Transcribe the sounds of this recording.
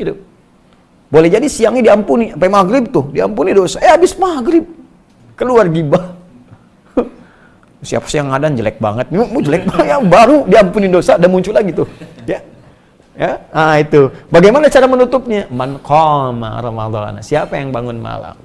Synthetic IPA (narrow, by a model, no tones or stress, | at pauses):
dʊ | bolɛhd͡ʒadisiaŋidiampuniapajmaɡɾɪb̚t̪ʊhdiampunidosaʔeabɪsmaɡɾɪb̚ | kəluarɡibah | sia̰pḁsijaŋadand͡ʒəlɛ̰k̚ba̰ŋət̪̚mud͡ʒəlɛk̚batjabaɾudiampunidosadanmuɲt͡ʃʊlaɡit̪ʊja | jaait̪ubaɡajmanat͡ʃaɾamənut̪ʊp̚ɲamankɔma̰ɾɔma̰d̪ɔ̰n̰siapajaŋbaŋʊnma̰la̰m